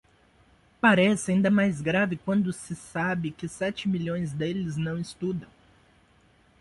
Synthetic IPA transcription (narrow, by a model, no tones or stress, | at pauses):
paɾɛsɪaĩnd̪ɐmajzɡɾavɪkwɐ̃nd̪ʊsɪsabɪkɪsɛt͡ʃɪmiʎõj̃zd̪elɪznɐ̃w̃ɪst̪ud̪ɐ̃w̃